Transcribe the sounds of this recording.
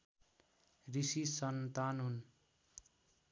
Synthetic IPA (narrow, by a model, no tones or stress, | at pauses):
risisʌnt̪anɦun